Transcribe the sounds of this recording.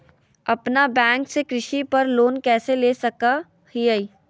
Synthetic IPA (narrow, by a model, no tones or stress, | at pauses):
ɐpnabɛ̃ːŋksekɾɪʃipɐɾloːnkɛːseleːsɐka | hiəi